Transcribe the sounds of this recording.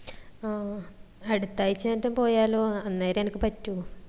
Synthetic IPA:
ɐɽut̪ːaːjit͡ɕːaːntːɐmpo̞ːjaːloːɐnːaːjɾenikʲːɨpɐtːu

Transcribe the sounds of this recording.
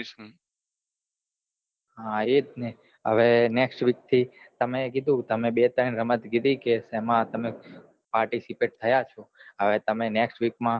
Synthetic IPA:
ɦãet̪ne | ə̰ʋeneksʈʋik̚t̪ʰi | t̪əmẽkid̪ʱũt̪əmẽɓet̪əɳɾəmət̪ɡid̪ikesemãt̪əme | paɾʈisipeʈ̚t̪ʰəjat͡ʃʰoəʋet̪əmeneksʈʋikmã

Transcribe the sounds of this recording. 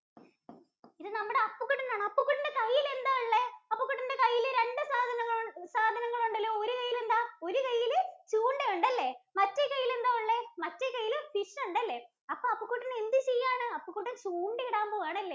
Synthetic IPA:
iðɨnɐmːuɽeɐpːukːuʈːind̪aːɳɨɐpːukːuʈːindekɐjːile̞nd̪aːuɭːeɐpːukːuʈːinde̞kɐjːilɾe̞ɳɖɨsaːd̪ʱɐnɐŋːɐɭsaːd̪ʱɐnɐŋːɐɭuɳɖɐlːo̞ːoɾukɐjːile̞nd̪aːo̞ɾukɐjːilt͡ɕuːɳɖɨjuɳɖɐlːe̞mɐtːekɐjːile̞nd̪aːuɭːemɐtːekɐjːilfiʂuɳɖɐlːe̞ː | ɐpːoːɐpːukːuʈːineend̪ɨt͡ɕejːaːɳɨɐpːukːuʈːɨt͡ɕuːɳɖɨiɽaːmboːʋaːɳɨɐlːeː

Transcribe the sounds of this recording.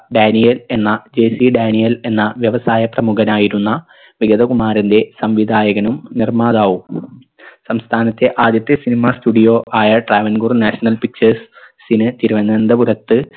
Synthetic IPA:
ɖaːnijɐle̞nːɐd͡ʑeːsiɖaːnijɐle̞nːɐʋjɐʋɐsaːjɐprɐmuɡɐnaːjiɾunːɐ | ʋiɡɐd̪ɐkumaːɾɐnde̞sɐmʋid̪ʱaːjɐɣɐnumnirmaːðaːʋum | sɐmst̪ʰaːnɐt̪ːe̞ʔaːd̪jɐt̪ːjɐsinimasʈuɽijoːʔaːjɐɖraːʋɐnɡurnaːɕɐnɐlpik̚t͡ɕɐrsː | inɨt̪iɾuʋɐnːɐnd̪ɐbuɾɐt̪ːɨ

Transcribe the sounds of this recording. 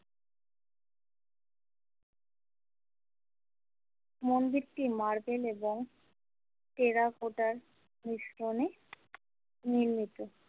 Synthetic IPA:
mond̪iɾʈimaɾbeleboŋ | ʈeɾakoʈaɾ | niʃɾone | niɾmit̪o

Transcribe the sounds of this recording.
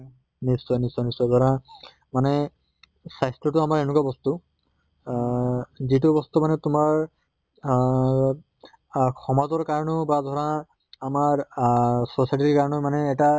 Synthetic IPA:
nisɔjnisːɔjnisɔjdʱɔɹã | manɛ | sajstɹɔtʊamaɹɛnʊkwabɔstu | zitʊbɔstumanɛtʊmaɹ | xʰɔmazɔɹkaɹɔnɔbadʱɔɹãː | maɹ | sɔsajʈiikaɹɔnɔmanɛːta

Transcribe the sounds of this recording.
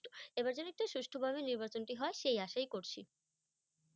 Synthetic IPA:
oebaɾd͡ʑonek̚ʈoʃuʃʈʰobʱaβeniɾbat͡ɕonʈiɦɔeʃejaʃajkoɾt͡ɕʰi

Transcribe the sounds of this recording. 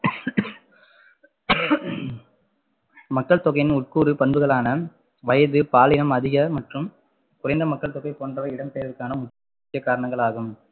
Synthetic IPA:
mɐkːɐɭt̪ɔɣɐɪnʊʈ̚kuːɾɯpɐnbɯɣɐɭaːnɐ | ʋɐjɐðɯpaːlɪnɐmɐðɪɣɐmɐʈrɯm | kʊrɐɪnd̪ɐmɐkːɐɭt̪ɔɣɐɪpoːndrɐɪɽɐmsejɐʋɪkːaːnɐmʊkː | ɪt͡ʃːɐkaːɾɐɳɐŋɡɐɭaːɣɯm

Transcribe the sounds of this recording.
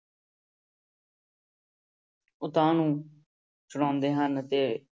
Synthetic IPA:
ʊt̪ãːnũː | t͡ʃʊɽãːnd̪eːɦənt̪eː

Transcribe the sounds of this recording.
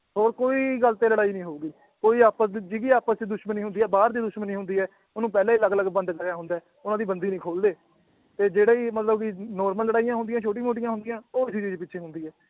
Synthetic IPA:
ɦoːɾkoːiːɡəlt̪eːləɽaːiːnĩːɦoːɡiː | koːiːaːpəsd̪iːd͡ʒɪɡiːaːpəst͡ʃːd̪ʊʃməniːɦʊnd̪iːɛːbaːɾd̪iːd̪ʊʃmənĩːɦʊ̃nd̪iːɛː | ʊnũːpɛːlãːiləɡləɡbə̃nd̪kəɾjaːɦʊ̃nd̪aːɛː | ʊnãːd̪iːbənd̪iːnĩːkʰoːld̪eː | t̪eːd͡ʒeːɽeːiːmət̪ləbkɪnɔːɾməlːəɽaːijãːɦʊ̃nd̪ɪjãːt͡ʃʰoːʈ̬ĩːmoːʈ̬ɪjãɦʊnd̪ɪjãːoːɪsit͡ʃiːd͡ʒpɪtːʃʰeːɦʊ̃nd̪iːɦɛː

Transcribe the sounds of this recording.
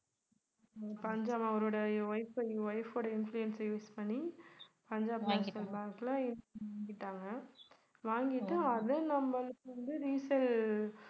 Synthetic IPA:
pɐɲd͡ʒaːmɐɔɾoːɽɐʋɐɪfɐɪʋɐɪfoːɽɐɪnflʊɛnsɐjuːspɐɳːipɐɲd͡ʒaːbansɐlbaːkːlaːɪnːʋaːŋɡɪʈːaːŋɡɐ | ʋaːŋɡɪʈːãɐðɯnɐmbɐlɯkːɯʋɐnd̪ɯɾiːsɐl

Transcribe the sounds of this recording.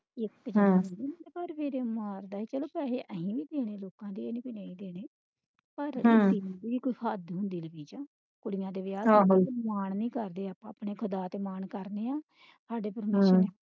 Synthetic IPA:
ɪkd͡ʒə̃d̪iːnd̪eːpəɾʋeːɾeːmaːɾd̪aːiːt͡ʃəloːpɛːleːʔəɦĩːʋiːd̪eːɽ̃eːloːkãːd̪iːenĩbineĩːd̪eːɽ̃eː | pəɾĩːb̪iːkoiːhad̪ɦʊnd̪iːləbiːd͡ʒãː | kʊɽɪjãːd̪eːʋɪjaːmaːɳnĩːkəɾd̪eːaːpãːpɳeːkʰʊd̪aːt̪eːmaːɳkəɾneːãː | sʰaːɖeːpəɾmeːʃəeː

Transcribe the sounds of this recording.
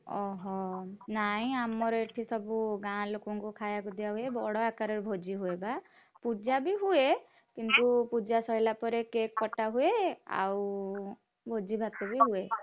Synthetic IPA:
ɔɦɔnaɦĩamɔɾeʈʰisɔbuɡãlokɔŋkukʰajakud̪ijaɦuebɔɽɔakaɾɔɾbʱod͡ʒiɦueba | pud͡ʒabiɦue | kint̪upud͡ʒasɔɦjlapɔɾekek̚pɔʈaɦuea̰w | bʱod͡ʒibʱat̪ebiɦue

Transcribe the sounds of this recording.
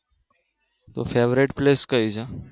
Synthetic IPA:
t̪o̰fʰeːʋɾɪʈpleːskəid͡ʒʰe

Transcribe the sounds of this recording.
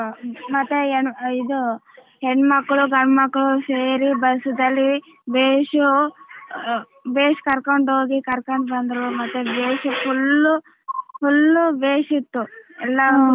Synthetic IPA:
mɐt̪ːeeɳid̪u | ɦeɳmɐkːɐɭuɡɐɳmɐkːɐɭuseːɾibɐsud̪ɐlːi | beːʂu | beːʂu̥kɐɾkɐɳɖɦoːɡikɐɾkɐɳʈbɐnd̪ɾumɐt̪ːebeːʂupʰulːu | pulːubeːʂit̪ːuɛlːɐ

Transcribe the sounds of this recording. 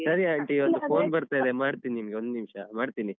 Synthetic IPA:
sɐɾiaɳʈiʋɐnd̪upʰo̞ːnbɐɾt̪aːid̪emaːɽt̪ininimɐɡe̞ond̪unimʂɐmaːɽt̪ini

